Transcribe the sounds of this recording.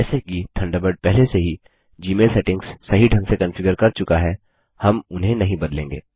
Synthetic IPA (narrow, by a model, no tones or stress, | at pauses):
ɛːsekit̪ʰɐ̃ɳɖəbəɾɖ̚pɛɦleseɦi | d͡ʒiːmeːlsɛːʈɪ̃ŋɡssːɐɦiɖʱɐ̃ŋɡsekɐ̃nfɪɡjəɾkɐɾt͡ʃʊkaɦɛ | hɐmʊnɦẽnɐɦĩbɐd̪lẽːŋɡḛː